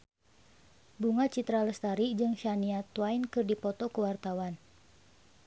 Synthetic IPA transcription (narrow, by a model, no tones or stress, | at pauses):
buŋat͡ʃit̪ɾaləst̪aɾid͡ʒɨŋʃaniat̪wainkɨrdipɔt̪ɔkəwart̪awan